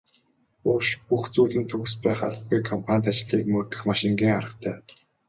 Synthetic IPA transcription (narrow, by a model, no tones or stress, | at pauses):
oʃpuxt͡suːɮɘ̆nt̪ʰɵɣɘ̆spæːχa̰ɮt̪̚ɡujkʰɔmpʰanʲt̪̬at͡ɕɮiːkmɵrt̪ɘ̆xmaʃɪ̆ŋɡʲiːŋaɾə̆χt̪ʰæː